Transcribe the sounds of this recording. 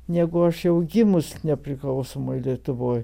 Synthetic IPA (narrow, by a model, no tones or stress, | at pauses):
nʲæːɡʊɐʃjɛʊɡʲɪmʊsnʲɛpʲɾʲɪklˠɐʊsomolʲiɛt̪ʊʋoːj